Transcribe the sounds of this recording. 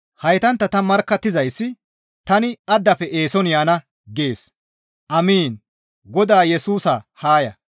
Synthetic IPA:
hɐjt̪ɐnt̪ːɐt̪ɐmɐɾkːɐt̪ːɪzɐjsːɪ | t̪ɐnɪɐd̪ːɐfɛʔe̞ːsɔnjaːnɐ | ɡeːs | ʔɐmiːn | ɡɔd̪aːjɛsuːsɐhaːjɐ̰

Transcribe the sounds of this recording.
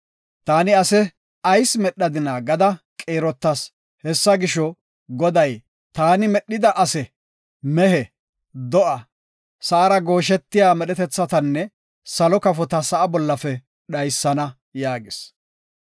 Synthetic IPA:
t̪aːnɪɐsɛ | ɐjsmɛɗːɐd̪ɪnaːɡɐd̪ɐkʼeːɾɔt̪ːɐs | hɛsːɐɡɪʃɔ | ɡɔd̪ɐj | t̪aːnɪmɛɗːɪd̪ɐʔɐsɛ | mɛɦɛ | d̪ɔʔɐ | sɐʔɐɾɐɡo̞ːʃ̬ɛt̪ːɪjaːmɛɗɛt̪ɛt͡sːɐt̪ɐnːɛ | sɐlɔkɐfɔt̪ɐsɐʔɐbɔlːɐfɛ | ɗɐjsːɐnɐ | jaːɡɪs

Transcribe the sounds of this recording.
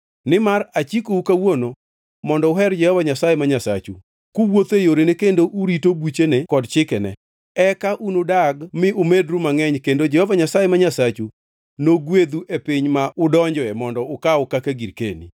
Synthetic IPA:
nɪmaɾat͡ʃikoukawono | mɔndɔʊɦɛɾd͡ʒɛhɔvaɲasajemaɲasa̰t͡ʃu | kuwot̪ejoɾenekendoʔuɾitobut͡ʃenekɔdt͡ʃɪkɛnɛ̰ | ɛkaʔunodaɡmɪʔʊmedɾumaŋɛɲkendod͡ʒɛhɔvaɲasajemaɲasat͡ʃu | noɡwed̪uʔepɪɲmaʔʊdɔɲd͡ʒɔɛmɔndɔʊkaʊkakeɡiɾkḛnḭ

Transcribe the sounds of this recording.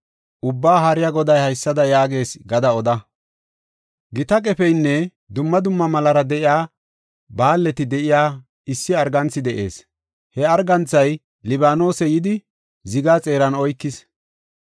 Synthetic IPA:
ʔʊbːaːɦɐɾɪjɐɡɔd̪ɐjhɐjsːɐd̪ɐjaːɡe̞ːsɡɐd̪ɐɔd̪ɐ | ɡɪt̪ɐkʼɛfɛjnːɛ | d̪ʊmːɐd̪ʊmːɐmɐlɐɾɐd̪ɛʔɪjaː | baːlːɛt̪ɪd̪ɛʔɪjaː | ɪsːɪɐɾɡɐnt͡sːɪd̪ɛʔe̞ːs | hɛɐɾɡɐnt͡sːɐj | lɪbaːno̞ːsɛjɪd̪ɪ | zɪɡaːt͡sʼe̞ːɾɐnɔjkːɪs

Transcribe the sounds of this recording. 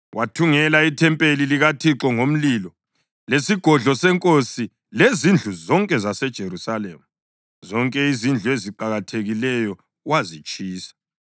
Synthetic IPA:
wʔatʰuŋɛlaitʰɛmpʼeliliɣatʰiǁɔŋom̩lilɔ | lesiɡ̥ʱɔɮɔsɛŋkʼosi | lezind͡ɮʱuzɔŋkʼɛzasɛd̥ʒ̥ʱerusalemu | zɔŋkʼɛizind͡ɮʱueziǃaɣatʰeɣilɛjɔ | wazit͡ʃʼiːsḁ

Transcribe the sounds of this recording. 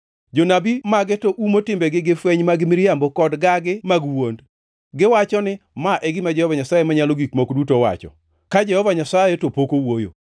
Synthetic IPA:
d͡ʒonabimaɡɪtoʔumotɪmbɛɡɪɡɪfwɛɲmaɡɪmɪɾjambokɔdɡaɡɪmaɡwond | ɡɪwat͡ʃɔnɪmaʔɛɡɪmad͡ʒɛhɔvaɲasajemaɲaloɡikmokdutowa̰t͡ʃɔ̰ | kad͡ʒɛhɔvaɲasajetopokowojo̰

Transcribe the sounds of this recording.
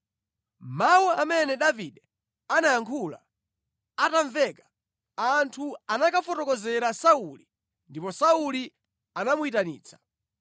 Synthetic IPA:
mawuamɛnɛɗaviɗɛ | anajaŋkʰula̰ | ataɱvɛkḁ | antʰuanakafɔtɔkɔzɛɾasauli | ndipɔsauli | anamuitanḭːt͡sʰḁ

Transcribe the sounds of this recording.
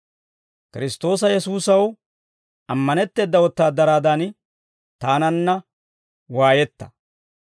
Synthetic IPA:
kɪɾɪst̪o̞ːs̬ɐjɛsuːsɐw | ʔɐmːɐnɛt̪ːe̞ːd̪ːɐwɔt̪ːaːd̪ɐɾaːd̪ɐn | t̪aːnɐnːɐ | waːjɛt̪ːɐ̥

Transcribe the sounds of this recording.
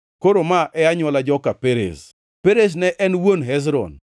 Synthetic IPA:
koɾomaʔɛaɲwɔlad͡ʒɔkapeɾḛs | peɾes̬nɛʔɛnwonɦɛs̬ɾɔ̰n

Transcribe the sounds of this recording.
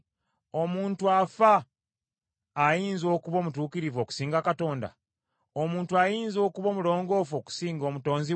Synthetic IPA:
o̞muːntuafa | jiːnzo̞ːkuβo̞ːmutuːkiɾivo̞ːku̥siːŋɡakato̞ːnda̰ | omuːntuajiːnzo̞ːkuβo̞mulo̞ːŋɡo̞fo̞ku̥siːŋɡo̞ːmuto̞ːnzi

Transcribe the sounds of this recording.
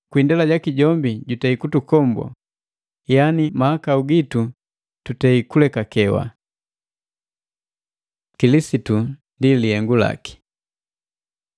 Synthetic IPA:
kwindɛlaɟakiɟɔmbiɟutɛikutukɔmbɔ̰ | janimahakauɡitu | tutɛikulɛkakɛwa̰ | kilisitundilihɛŋɡula̰ki̥

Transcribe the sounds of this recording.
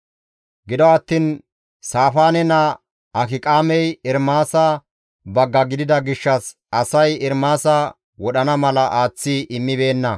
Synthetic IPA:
ɡɪd̪ɔɐt̪ːiːn | saːfaːnɛnɐ | ɐkɪkʼaːmɛjɪɾmaːsɐ | bɐɡːɐɡɪd̪ɪd̪ɐɡɪʃːɐs | ɐsɐjɛɾmaːsɐ | wɔɗɐnɐmɐlɐʔaːt͡sːiʔɪmːɪbe̞ːnːɐ

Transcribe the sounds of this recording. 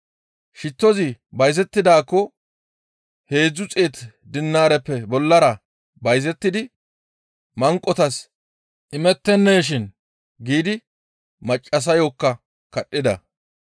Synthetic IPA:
ʃɪt̪ːɔzɪbɐjzɛt̪ːɪd̪aːkːɔ | he̞ːd͡zːʊt͡sʼe̞ːt̪ | d̪ɪnːaːɾɛpːɛbɔlːɐɾɐ | bɐjzɛt̪ːɪd̪ɪ | mɐŋkʼːɔt̪ɐs | ʔɪmɛt̪ːɛnːeːʃ̬ɪn | ɡiːd̪ɪ | mɐt͡ʃʼːɐs̬ɐjoːkːɐ | kɐɗʼːɪd̪ɐ̰

